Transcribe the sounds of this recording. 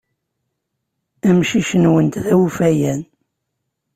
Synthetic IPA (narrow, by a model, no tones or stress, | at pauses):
æmʃiʃənwənt̪ðæwufæjæn